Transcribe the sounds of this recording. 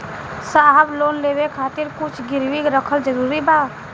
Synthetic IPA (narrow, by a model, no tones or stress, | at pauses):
saːɦəbloːnleːwekʰaːt̪ɪɾkʊt͡ʃʰɡɪɾwikɾəkʰəld͡ʒəɾuːɾibaː